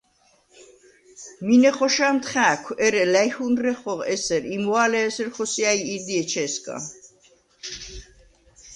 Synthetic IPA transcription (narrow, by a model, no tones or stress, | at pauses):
minɛχɔʃamt̪χæːkʷʰɛɾɛlajhunɾɛχɔʁɛsɛɾimualɛːsɛɾχɔsiajiɾd̪iɛt͡ʃʰɛskʼa̰